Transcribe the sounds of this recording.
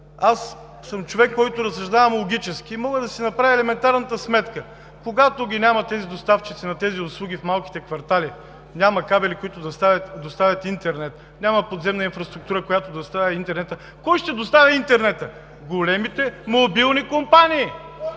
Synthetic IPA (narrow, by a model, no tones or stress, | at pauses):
as | səmt͡ʃovɛkːɔjt̪oɾɐsɐʒd̪avɐmlˠoɡʲit͡ʃɛskʲiːmɔɡəd̪ɐsinɐpɾaviɛlɛmɛnt̪aɾnɐt̪əsmɛt̪kə | koɡat̪oɡʲinʲamɐt̪ɛzid̪ost̪aft͡ʃit̪sinɐt̪ɛziʊslˠuɡʲifmalˠkʲi̥t̪ɛkvɐɾt̪alʲi | nʲamɐkabɛlikoit̪ʊd̪ɐst̪avʲət̪d̪ost̪avʲət̪int̪ɛɾnɛt̪ | nʲamɐpod̪zɛmnɐinfɾɐst̪ɾʊk̚t̪uɾəkojat̪od̪ɐst̪avʲɐint̪ɛɾnɛt̪ə | kɔjʃt̪ɛd̪ost̪avʲɐint̪ɛɾnɛt̪ə | ɡolɛmit̪ɛmobilˠnikompanʲiː